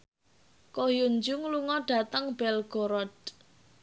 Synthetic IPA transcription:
kojuɲd͡ʒʊŋluŋɔɖ̥ä̤t̪əŋb̥ɛlɡ̥oɾɔd̥̚

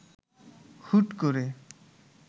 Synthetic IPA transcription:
hʰuʈkoɾe

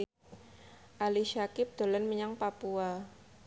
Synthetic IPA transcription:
ʔaliʃakɪp̚d̪̥o̤lənməɲaŋpapua

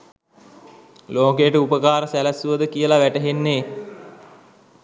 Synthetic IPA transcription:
loːkeːʈəupəkaːɾəsælæsuəd̪əkijəlaʋæʈəɦenːeː

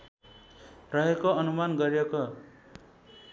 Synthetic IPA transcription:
rʌɦekoʌnumanɡʌɾijeko

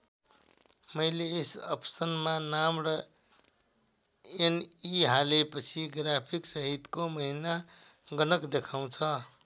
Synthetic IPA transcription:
mʌjleːsʌ̰psʌnmanamrʌ | eniɦalepʌt͡sʰiɡrapʰiksʌɦit̪komʌɦina | ɡʌnʌkd̪ekʰaw̃t͡sʰʌ

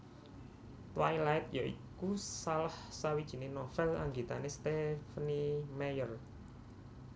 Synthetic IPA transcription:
t̪wajlaɪt̪̚joʔḭkusalahsawid̥ʒ̥i̤nenɔfɛla̰ŋɡit̪anest̪efənimajər

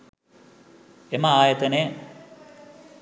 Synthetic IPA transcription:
emɐaːjɐt̪ɐne

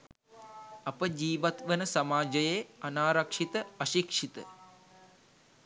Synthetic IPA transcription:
ɐpɐd͡ʒiːʋɐt̪ʋɐnɐsɐmaːd͡ʒɐjeːɐnaːɾɐkʂit̪ɐɐʃikʂit̪ɐ̰

